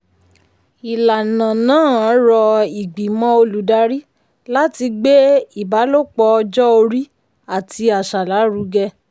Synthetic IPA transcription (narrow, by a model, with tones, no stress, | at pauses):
i˨la˨nã˨nãː˦˨ɔ̃˨˦ɾɔ˧i˨ɡ͡bi˨mɔ̃˦o˧lu˨da˧ɾi˦ | la˦ti˧ɡ͡be˦i˦˨ba˨˦lo˦k͡pɔ˧ɔ˧d͡ʒɔ˦o˧ɾi˦ | a˦˨tʰi˧a˨ʃa˨la˨˦ɾu˨˧˦ɡɛ˧